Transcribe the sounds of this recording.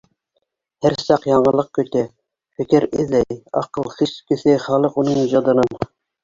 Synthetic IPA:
hæɾsɑqjɑɴʁəlˠːəq̚kʲʰøt̪ʰɛ | fɪkʲɪɾɪzlɛjɑ̰qəlˠχiskʲisɪχɑːlˠəqunɨŋhyd͡ʒɑd̪ɨnɨn

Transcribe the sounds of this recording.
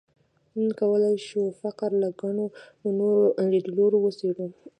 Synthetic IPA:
məŋkawəlajʃufaqɾlaɡaɳo | noɾoʔɾed̪loɾowəseɽu

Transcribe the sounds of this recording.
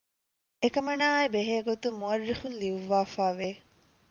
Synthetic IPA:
ekɐmɐnaːebeɦeːɡot̪umuɐrːifunliuʋːaːfaːʋe

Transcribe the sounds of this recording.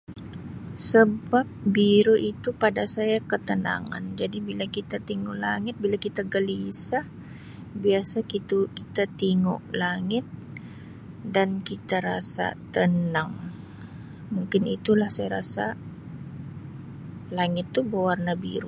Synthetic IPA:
səbap̚biɾoʔit̪upadasajakət̪əna̰ŋa̰nd͡ʒadibilakit̪at̪iŋuʔlaŋɪt̪̚bilakit̪aɡəlisah | biasakit̪ukit̪at̪iŋuʔlaŋɪt̪̚ | dankit̪aɾasa̰t̪ənaŋ | muŋkɪnit̪ulahsajaɾasa | laŋɪt̪ːubawarnabḭɾo

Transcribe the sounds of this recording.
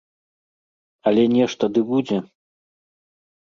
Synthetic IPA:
ɐlʲɛnʲɛʂt̪ɐd̪ɨbud͡zʲɛ

